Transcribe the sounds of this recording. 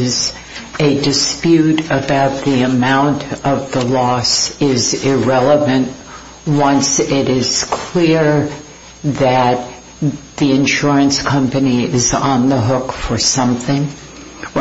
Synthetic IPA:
z | ɨdɨspjʉɾɨbaʊt̪̚ðiɨmãʊ̃ntʰʌvðəlɔsɪzɪɹɛlˠəvɨ̃nʔ | wʌ̃nsɪɾɪz̥kʰl̥ɪɹ | ðɨt̪̚ | ðiɨ̃nʃʊɹɨ̃nskʰʌ̃mpɨniɪzn̩ðəɦʊkfə˞sʌ̃mθɪ̃ŋ

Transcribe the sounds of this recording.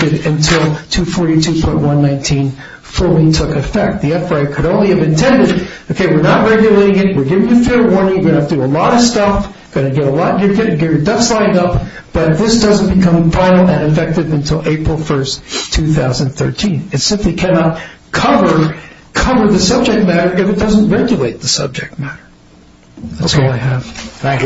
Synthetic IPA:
ɨɾɨ̃ntʰɪlˠtʰʉfɔɹɾitʰʉpʰɔ̃ɪ̃nʔ̚wʌ̃nːãɪ̃ntʰĩn | fʊlˠitʰʊkɨfɛk̚t̪̚ðiɛfɹaɪkʰɨɾõʊ̃nliɨvɨ̃ntʰɛ̃ndɨɾ | oʊkʰeɪwəɹnət̚ɹɛɡjɨleɪɾɪ̃ŋɨt̚wɨɹɡɪvɪ̃ŋðɨfiɾəwɔɹnɪ̃ŋjə˞ɡʌ̃nɨætɨdɨəlɔɾʌv̥stʌf | ɡ̥ʌñɨɡɛɾəlɔɾʌjə˞ɡɪɾɡɛvə˞dʌfslãɪ̃ndʌp̚ | b̥ʌt̪̚ðɪsd̥ʌz̃n̩b̥ɨkʰʌ̃ɱfãɪ̃nl̩ˠɨ̃nɨfɛk̚tɨvɨ̃ntʰɪlˠeɪpɹl̩ˠfɜ˞stʰʉθaʊz̃n̩d̪θɜ̰˞tʰĩnɨtsɪ̃mplikʰænɑt̚ | kʰʌvə˞ | kʰʌvə˞ðɨsʌb̚d͡ʒɨk̚t̚mæɾə˞ʔɨfɨt̚d̥ʌz̃n̩ʔɹɛɡjɨleɪt̪̚ðɨsʌ̰b̚d͡ʒɨk̚t̚mæɾə˞ | ðætsɔlˠaɪɨv̥

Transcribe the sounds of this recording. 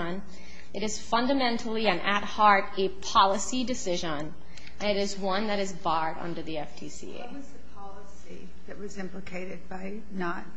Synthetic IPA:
ə̃n | ɨɾɨz̥fʌ̃ndɨmɛ̃ntʰl̩ˠiɨ̃nʔɨt̚hɑɹɾɨpʰɑlˠəsidɨsɪʒə̃n | ʔɨ̃nɨɾɨzwʌ̃nðɨɾɨzbɑɹɾʌ̰̃ndə˞ðiɛfd̥ʰḭsḭḛɪzɨpʰɑlˠəsi | ðɨt̚wʌzɪ̃mplɨkʰeɪɾɨd̚baɪ | nət̚

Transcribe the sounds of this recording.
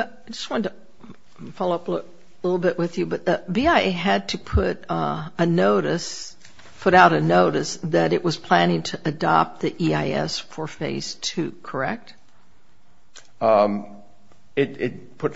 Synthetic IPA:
ʌ | ɪd͡ʒʌst̚wɑ̃tə | fɑlˠoʊʌplʊ | lɪɾl̩ˠbɪʔwɨðjɨbʌt̪̚ðɨbiaɪeɨd̚tʰɨpʰʊɾɨnoʊɾɨs | pʰʊɾaʊɾɨnoʊɾɨsðɨɾɨʔwʔʌz̥pʰl̥æ̃ñɪ̃ŋtʰɨʔɨdɑ̰p̚t̪̚ðiʔiaɪɛ̰sfə˞feɪz̥tʰʉkʰə˞ɛk̚t̚ | ɪɾɪt̚pʰʊt

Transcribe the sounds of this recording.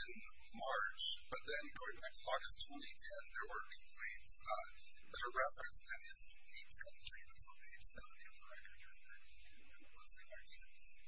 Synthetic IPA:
ɪ̃n | mɑɹt͡ʃb̥ʌt̪̚ðɨ̃nɡoʊɪ̃ŋbæk̚tʰəɔɹɡɨstʰw̥ɛ̃ntitʰɛ̃nðə˞wə˞ĩkʰl̥ẽɪ̃mz̥ | ðɨɾəɹɛfɹɨ̃nsɨ̃nɪznitʰɛ̃kʰl̥ẽɪ̃mɨ̃sə̃pʰeɪd͡ʒsɛvə̃niʌvə˞ɛkə˞d̪̃ðə˞ | wʌ̃sẽaɪtʰinz̥

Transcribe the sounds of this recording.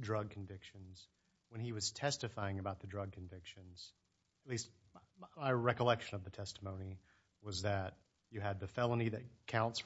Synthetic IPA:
dɹʌɡ̚kʰɱvɪkʃɨ̃nz̥ | wə̃niwʌz̥tʰɛstɨfaɪɪ̃ŋɨbaʊt̪̚ðɨdɹʌɡ̚kʰɨ̃nvɪkʃɨ̃nz̥ | ɨtˡlist̚ | maɪɹɛkəlɛkʃɨ̃nʌvðɨtʰɛstəmõʊ̃ni | wʌzðɨt͡ʃ | ɨɨd̪̚ðɨfɛlˠə̃niðɨt̚kʰãʊ̃nts

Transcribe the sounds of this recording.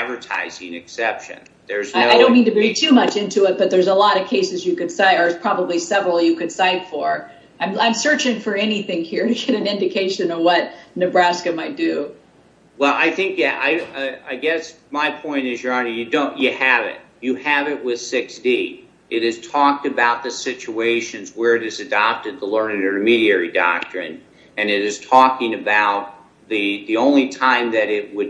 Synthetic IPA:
ædvə˞tʰa̰ɪzɪ̰̃ŋɨksɛpʃɨ̰̃n | ðə˞znɪaɪõʊ̃nmːĩntɨbɹitʰʉmʌt͡ʃɪ̃ntʰʉɪt̚b̥ʌt̪̚ðə˞zəlɔɾʌv̥kʰeɪsɨzjɨkɨd̥saɪɾə˞z̥pʰɹ̥ɑbəblisɛvɹl̩ˠjɨkɨd̥saɪtfə˞ | ãɪ̃mãɪ̃msɜ˞t͡ʃɪ̃ŋfə˞ɛniθɪ̃ŋhiɹɾɨɡɛɾɨ̃nɪ̃ndɨkʰeɪʃɨ̃nʌvwʌt̚nɨbɹæskɨmaɪt̚d̥ʉ | wɛlˠa̰ɪθɪ̃ŋkjæʔa̰ɪaɪɡɛs | maɪpʰɔ̃ɪ̃ñɨzjɑɹnɨjɨdõʊ̃nɨɨvɪ̰t̚ | ɨɨvɪt̚wɪð̥sɪksd̥i | ʔɨɾɨz̥tʰɔk̚tɨbaʊt̪̚ðɨsɪt͡ʃueɪʃɨ̃nzwə˞ɨɾɨzɨdɑp̚tɨd̪̚tʰəlɜ̃˞nɨ̃nɨə̃nɨmiɾiɛɹidɑ̰k̚tɹ̥ɨ̰̃n | ɨ̃nɨɾɨz̥tʰɔkɪ̃ŋɨbaʊt̪̚ | ðɨðiõʊ̃nlitʰãɪ̃mðɨɾɪt̚wəd̚

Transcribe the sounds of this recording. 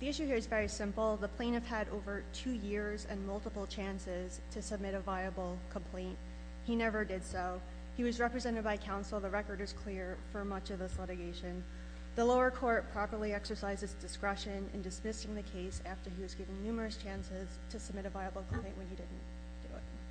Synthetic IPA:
ðiɪʃʉhiɹɨzvɛɹisɪ̃mpl̩ˠðəpʰl̥ẽɪ̃nɨv̥ɨɾo̰ʊvə˞tʰʉjɪɹzɨ̰̃nmʌlˠtəpl̩ˠt͡ʃʰæ̃nsɪz̥tʰɨsəb̚mɪɾɨvaɪəbl̩ˠkʰə̃m̩pʰl̥ẽɪ̃nt̚ | hinɛvə˞dɨd̥soʊ | iwʌzɹɛpɹɨzɛ̃ɾ̃ɨd̚baɪkʰãʊ̃nsl̩ˠðəɹɛkə˞ɾɨz̥kʰl̥ɪɹfə˞mʌt͡ʃʌvðɪslɪɾɨɡeɪʃɨ̃n | ðəloʊə˞kʰɔɹt̚pʰɹ̥ɑpə˞lˠiɛksə˞saɪzɨzdɨskɹɛʃɨ̃nɨ̰̃ndɨsmɪsɪ̃ŋðɨkʰeɪsæftə˞iwʌzɡɪvɪ̃ŋnʉmə˞ɨst͡ʃʰæ̃nsɪz̥tʰɨsəb̚mɪɾɨvaɪləbl̩ˠkʰm̩pʰl̥ẽɪ̃nwɨ̃nidɪdⁿn̩ | d̥ɨɪ̰t̚

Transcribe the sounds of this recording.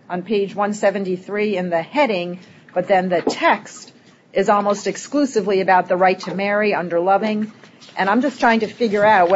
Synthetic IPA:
ʔə̃n̩pʰeɪd͡ʒwʌ̃nsɛvɨ̃n̩tiθɹiɨ̃nðɨhɛɾɪ̃ŋ | b̥ʌt̪̚ðɨ̃nðɨtʰɛkst | ʔɨzɔlˠmoʊstɨksklʉsɨvliɨbaʊt̪̚ðəɹaɪtʰɨmɛɹiʌ̃ndə˞lʌvɪ̃ŋʔɨ̃ɾ̃ãɪ̃md͡ʒʌstʰɹ̥aɪɪ̃ŋtɨfɪɡjə˞aʊt̚w

